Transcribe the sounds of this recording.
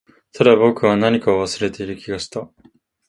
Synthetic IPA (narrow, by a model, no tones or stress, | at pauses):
t̪ʰad̪abo̞kɯ̟βanaɲ̟ikaoβasɨɾe̞t̪e̞iɾɯ̟kʲiɡaɕi̥t̪a